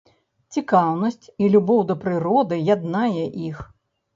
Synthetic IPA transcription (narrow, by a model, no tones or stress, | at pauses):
t͡sʲikawnɐsʲt͡sʲilʲubɔwd̪ɐpɾɨɾɔd̪ɨjad̪najɛʔix